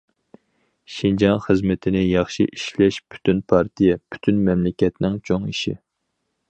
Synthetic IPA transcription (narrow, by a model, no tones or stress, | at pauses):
ʃind͡ʒɑnχəzmɪt̪ʰɪnɪjɑχʃiʔiʃlɛʃpʰy̥t̪ynpʰɑɾt̪ʰijɛpʰy̥t̪ʰynmɛmlɪkʲɛt̪nɪŋt͡ʃʰoŋiʃi